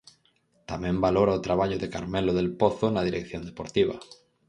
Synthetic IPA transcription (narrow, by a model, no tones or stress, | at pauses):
t̪amɛ̃mbaloɾaʊt̪ɾaβ̞aʎʊðeka̰ɾmɛloðelpoθʊnaðiɾekθjond̪epoɾt̪iβ̞ɐ̰